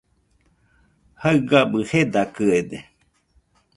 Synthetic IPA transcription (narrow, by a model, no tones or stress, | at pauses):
haɡabɨhed̪akɨed̪e